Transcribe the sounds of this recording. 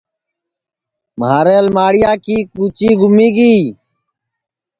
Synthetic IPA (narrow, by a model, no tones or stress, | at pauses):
maːɾeːlmaːɽɪjaːkiːkuːt͡ʃiːɡʱʊmiːɡiː